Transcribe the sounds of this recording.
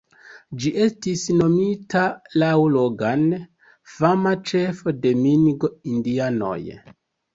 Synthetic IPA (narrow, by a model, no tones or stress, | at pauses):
d͡ʒiʔe̞stisno̞mitalawloɡan | famat͡ʃe̞fode̞minɡoindiano̰j